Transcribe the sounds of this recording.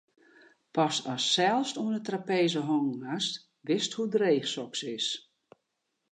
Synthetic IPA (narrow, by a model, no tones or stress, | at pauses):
pɔsɔsːɛlˠfstuənətrapeːzəɦɔŋɦast | ʋɪsthudreːxsɔksɪs